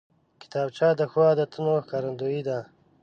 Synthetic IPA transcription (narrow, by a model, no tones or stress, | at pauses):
kɪ̥t̪aːb̚t͡ʃaːd̪əxuwaːd̪ət̪ʰunokaɾɐnd̪oid̪a